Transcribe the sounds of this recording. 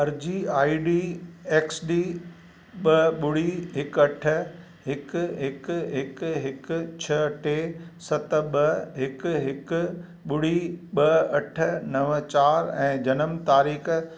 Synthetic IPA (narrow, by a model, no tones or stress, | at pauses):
ɐɾd͡ʑiːaːiɖiːeːksɖiː | ɓɐɓʊɽiɦɪkɐʈʰə̆ | ɦɪkɦɪkɦɪkɦɪkt͡ɕʰɐɐʈʰesɐt̪ɓɐɦɪkɦɪk̆ | ɓʊɽ̤iɓɐɐʈ̆ʰnɐʋt͡ɕaːɾɛ̰̃ːd͡ʑɐnəmt̪aːɾiːx